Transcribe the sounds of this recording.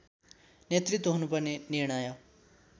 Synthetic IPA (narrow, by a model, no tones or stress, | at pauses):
neːt̪ɾɪt̪ːoɦɐnupɐɾneniɾɳ̃aːjaː